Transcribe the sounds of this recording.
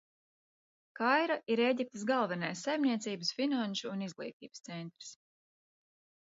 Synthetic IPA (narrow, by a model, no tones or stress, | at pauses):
kajɾaiɾeɟip̚t̪əsɡalˠvɛnajsːajmnʲiɛt̪siːbəsfinanʃuːnizɡlˠḭːt̪ḭːbəst̪sɛnt̪ɾi̥s